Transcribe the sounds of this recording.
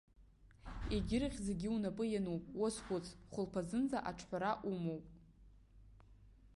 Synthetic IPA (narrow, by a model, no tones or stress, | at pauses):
eɡʲɪɾɨχʲzeɡʲɪunapʼɨjanuwpʼwoskʷʊt͡sʰχʷʊlpʰazɨnd͡zaʔaʈ͡ʂʰħʷᶣaɾaʔumowpʼ